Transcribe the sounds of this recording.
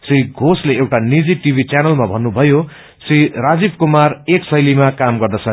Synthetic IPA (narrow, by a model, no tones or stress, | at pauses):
siɡʱosleewʈanid͡ziʈibʱit͡sjanʌlmabʱʌnːubʱʌjo | sĩrad͡zibkumareksʌjlimakamɡʌrd̪ʌt͡sʰʌ